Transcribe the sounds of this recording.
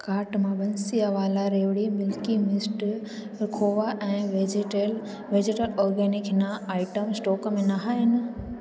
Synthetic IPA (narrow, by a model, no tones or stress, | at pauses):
kaːɾʈmãɓɐ̃nsiɐʋaːlaɾeːʋɽimɪlkimɪsʈ | ɾɪkʰoːʋaʔɛ̃ːʋed͡ʑl | ʋeːd͡ʑeːʈəlɔːɾɡɛːnɪknaaːɪʈəmsʈɔːkmẽnaɦaːɦɪnɪ̆